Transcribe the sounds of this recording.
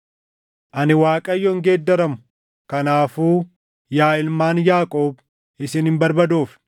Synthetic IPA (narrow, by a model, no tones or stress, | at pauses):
ʔɐnɪwaːkʼɐjːɔɪŋɡeːd̪ːɐɾɐmʊ̥ | kɐnaːfuː | jaːɪlmaːnjaːkʼo̞ːb | ɪsɪnhɪmbɐɾbɐd̪oːf